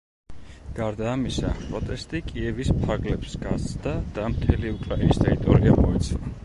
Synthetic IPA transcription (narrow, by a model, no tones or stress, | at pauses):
ɡ̥aɾd̪aːmisa̰pʼɾɔt̪ʼɛst̪ʼikʼiɛvispʰaɾɡlɛpsɡazt̪sd̪ad̪̥amt̪ʰɛliukʼɾainist̪ʼɛɾit̪ʼɔɾiamɔɛt̪sʰlˠa